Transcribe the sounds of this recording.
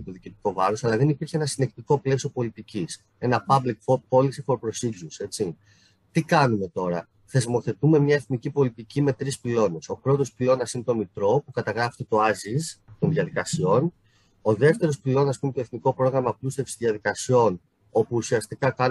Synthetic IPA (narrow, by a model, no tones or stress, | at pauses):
t̪oðicit̪i̥ko̞vɐɾo̞sɐlɐðe̞nipiɾçee̞nɐsine̞k̚t̪iko̞ple̞sopo̞lit̪icis | e̞nɐpɐblikfopo̞lisifo̞ɾpɾo̞sizuse̞t͡si | t̪ikɐnume̞t̪o̞ɾɐ̰ | θe̞zmo̞θe̞t̪ume̞mɲɐe̞θnicipo̞lit̪icime̞t̪ɾispilo̞ne̞so̞pɾo̞t̪o̞spilo̞nɐsinet̪o̞mit̪ɾo̞pukɐt̪ɐɣɾɐfi̥t̪et̪o̞ɐzizt̪o̞nðiɐðikɐsio̞n | o̞ðe̞ft̪e̞ɾo̞spilo̞nɐsːɐspumet̪oe̞θniko̞pɾo̞ɣɾɐmɐplust̪e̞fsi̥sðiɐðikɐsio̞n | o̞puːsiɐst̪ikɐkɐn